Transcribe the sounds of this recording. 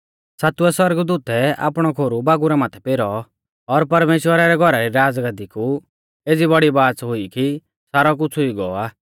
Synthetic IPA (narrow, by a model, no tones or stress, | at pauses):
saːt̪uɛswɐɾɡd̪uːt̪ɛa̰ːpɽ̃ɔkʰoːɾubaːɡuɾamaːt̪ʰɛpeːɾɔ | ɔɾpɐɾmeːʃwəɾaɾɛɡʱɔɾaɾiɾaːd͡zɡad̪iku | eːd͡zibɐɽibaːt͡sɦʊiki | saːɾɔk̬ʊt͡sʰʊiɡɔɔaː